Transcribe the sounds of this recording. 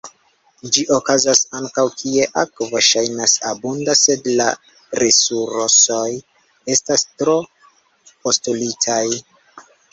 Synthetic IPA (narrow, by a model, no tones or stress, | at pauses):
d͡ʒiʔo̞kazasaŋkawkʰie̞ʔakvoʃajnasabundase̞dla̰ | ɾesuɾoso̞j | e̞stastɾo̞ | po̞stulitʰaj